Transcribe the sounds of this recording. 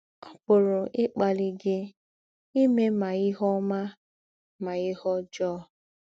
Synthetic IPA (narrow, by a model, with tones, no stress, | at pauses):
ɔ˦pʊ˨ɾʊ˨ʔɪ˦k͡pa˨li˦ɡɪ˦ | i˦me˦ma˨ɪ˦ɦɔ˦ma˦ | ma˨ɪ˦hɔ˦d͡ʒɔː˦